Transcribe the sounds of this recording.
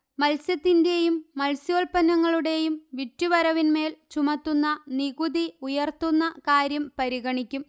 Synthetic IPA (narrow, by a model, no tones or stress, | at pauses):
mɐlsjɐt̪ːinde̞jumːɐlsjo̞ːlpɐnːɐŋːɐɭuɽe̞jumʋitːuʋɐɾɐʋinme̞ːlt͡ɕumɐt̪ːunːɐniɣuðiujɐrt̪unːɐkaːɾjɐmpɐɾiɣɐɳikʲːum